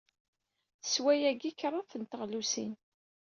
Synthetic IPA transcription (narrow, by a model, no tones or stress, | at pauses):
θəswæjæɡikɾˤɑθənt̪əʁlusḭn